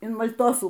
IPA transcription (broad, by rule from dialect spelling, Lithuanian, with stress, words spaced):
ɪn mɐlʲˈtoːsuː